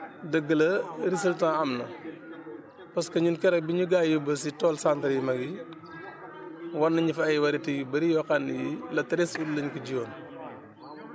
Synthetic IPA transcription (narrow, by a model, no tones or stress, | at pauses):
dəɡːəlɐɾisɐltaɐmnɐ | pɐskɐɲunkɛɾɐbiɲuɡaːjubɐs̬itɔːlsantɐɾjimɐɡi | wɐnːɐɲifɐːjwɐɾitiɡibɐɾijɔkanijilɐtɐɾɛsullɐɲkuɟiwɐn